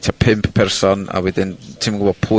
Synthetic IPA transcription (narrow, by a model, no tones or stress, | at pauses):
tʰapʰɪmppʰɛrsɔna̰wɛðɪntʰimŋɡʊbɔ̥pʰʊ